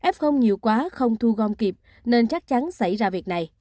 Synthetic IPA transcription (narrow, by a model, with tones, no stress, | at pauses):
ʔɛ˦˥p̚xə˧wŋ͡mɲi˨˩əwkwaː˨˦xə˧wŋ͡mt̪ʰu˧ɣɔ˧mki˨˩p̚ | ne˧nt͡ɕa˦˥k̚t͡ɕa˨˦nsa̰˧˩jzaː˧vi˨˩ək̚na˨˩j